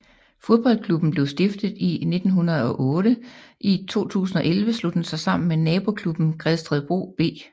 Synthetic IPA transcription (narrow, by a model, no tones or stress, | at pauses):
fo̝ðˠb̥ɒ̽l̰kʰlub̥n̩b̥le̝ʊsd̥e̝fd̥ð̞̩ˠine̝d̥n̩ɦunɐð̞̩ˠɒ̽ʔɔ̽ːɾ̥əʔit͡sʰo̝̰ːt͡sʰṵːs̬n̩ɒ̽ʔelʋəslod̥ensɑ̈ɪsɑ̈m̰n̩menɛːb̥o̝kʰlub̥n̩ɡ̥ʁɛðˠsd̥ʁɛðˠb̥ʁo̝̰ːb̥e̝̰ː